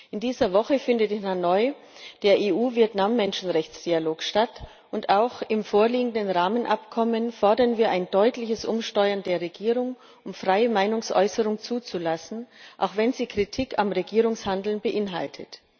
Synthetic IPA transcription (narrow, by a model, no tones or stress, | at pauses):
ʔʔɪndiːzɐvɔχəfɪndətɪnanɔʏ | d̥eːɐʔeːʔuːvieɐtnamːɛnʃn̩ʁɛçt͡sd̥ialoːkʃtat | ʔʊntaʊxɪmfoːɐliːɡŋ̩dənʁaːmənʔapkʰɔmənfɔɐdɐnviːɐʔaɪndɔʏtlɪçəsʔʊmʃtɔʏɐndeːɐʁeɡiːʁʊŋ | ʔʊmfʁ̥aɪəmaɪnʊŋsʔɔ̰ʏsəʁʊŋt͡suːt͡sulasn̩ʔa̰ʊxv̥ɛnziːkʁ̥itʰikamʁeɡiːʁʊŋshandl̩nbəʔɪnɦa̰ltʰət